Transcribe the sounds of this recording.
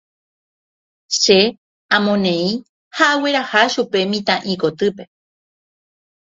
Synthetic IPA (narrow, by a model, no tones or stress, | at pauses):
ʃe | ãmõnẽĩ | haʔawe̞ɾahaʃupe̞mĩt̪ãʔikot̪ɨpe